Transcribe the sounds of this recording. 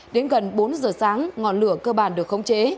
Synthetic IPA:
ɗe˨˦nɣə˨˩nɓo˨˦nzəː˨˩saː˨˦ŋŋɔ˨˩nlɨ̰˧˨əkəː˧ɓaː˧˩nɗɨ˨˩ək̚xə˧˦wŋ͡mt͡ɕe˨˦

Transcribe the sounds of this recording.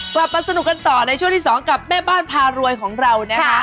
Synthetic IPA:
kla˨˩p̚maː˧sa˧nu˨˩k̚ka˧nt̪ɔː˨˩na˧jt͡ɕʰu˥˩ŋt̪ʰi˥˩sɔː˩˦ŋka˨˩p̚mɛː˥˩baː˥˩npʰaː˧ɾu˧əjkʰɔː˩˦ŋɾa˧wnaː˦˥˩

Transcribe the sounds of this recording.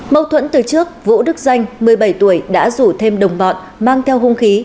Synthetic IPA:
mə˧wt̪ʰwə̰˧˥nt̪ɨ˨˩t͡ɕɨ˦˥ək̚vṵ˧˥ɗɨ˦˥k̚za˧jŋ̟mɨ˨˩əjɓə˧˩jt̪u˧˩əjɗa̰ː˧˥zu˧˩t̪ʰe˧mɗə˨˩wŋ͡mɓɔ̰˨n | maː˧ŋt̪ʰɛ˧wɦu˧ŋ͡mxi˨˦

